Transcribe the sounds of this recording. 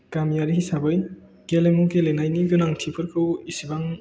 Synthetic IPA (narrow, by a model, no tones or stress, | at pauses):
ɡ̥amjaɾiɦisabɯj | ɡ̥elemukelenajniɡɯnaŋtʰipʰɯɾkʰɯwisibaŋ